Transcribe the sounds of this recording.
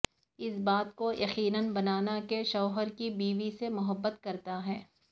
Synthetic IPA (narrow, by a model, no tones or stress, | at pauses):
ɪsbaːt̪kojɐqiːnənbɐnaːnakeʃɐːɦəɾkibiːʋisemʊɦəbːət̪kɐɾt̪aɦɛː